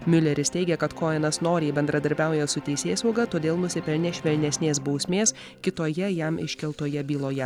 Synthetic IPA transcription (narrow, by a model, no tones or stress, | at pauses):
mʲʊlʲɛɾʲɪst̪ʲɛɪɡʲɛkɐt̪koːɛnɐsnoːɾʲeːbʲɛnd̪ɾɐd̪ɐɾʲbʲæˑʊjɛsʊt̪ʲɛɪsʲeːsɐʊɡɐt̪oːd̪ʲeːlˠnʊsʲɪpʲɛlʲnʲeːʃʲʋʲɛlʲnʲɛsʲnʲeːsbɒʊsʲmʲeːs | kʲɪt̪oːjɛjæmɪ̰ʃʲkʲɛlˠt̪oːjɛbʲiːlˠoːjɛ